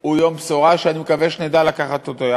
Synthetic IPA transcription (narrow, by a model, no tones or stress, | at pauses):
ujombsoʁaʃeanimekaveʃned̪alakaχat̪ːod̪oa